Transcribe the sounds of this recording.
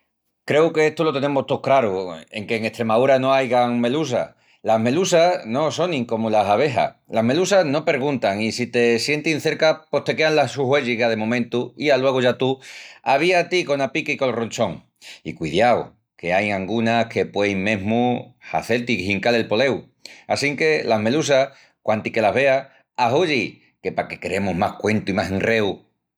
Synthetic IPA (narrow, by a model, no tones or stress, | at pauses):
kɾe̞wke̞est̪olo̞t̪e̞nẽ̞mot̪o̞kɾaɾue̞ŋke̞ːŋe̞ht̪ɾe̞maðuɾano̞ajɣaŋme̞lus̬a̰ | laɦme̞lusano̞so̞nĩŋko̞mulasaβ̞e̞ɦa̰laɦme̞lusazno̞pe̞ɾɣunt̪aŋisit̪e̞sje̞nt̪inθe̞ɾkapoht̪e̞keanlasuɦwe̞ʎiɣaðe̞mõmẽnt̪uialwe̞ɣ̞oʝat̪uaβ̞iat̪iko̞napikiko̞lro̞nt͡ʃo̞ŋ | ḭkwiðjaw | ke̞ajŋãŋɡunahkʰe̞pwe̞jmẽ̞ɦmuha̰θe̞lt̪ikhiŋkale̞lpo̞le̞w | asiŋke̞laɦme̞lus̬a | kwant̪ike̞laɦβe̞a | aɦuʝi | ke̞pake̞keɾemuɦmahkwe̞nt̪uimaseŋre̞u